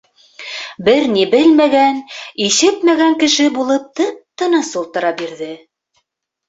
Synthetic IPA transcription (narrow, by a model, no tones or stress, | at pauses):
bɘɾnibɘlmæɡæniʃɘt̪mæɡæŋkɘ̆ʃɘbulˠɤp̚t̪ɤp̚t̪ɤ̆nɑsulˠt̪ɤ̆ɾɑbiɾðɘ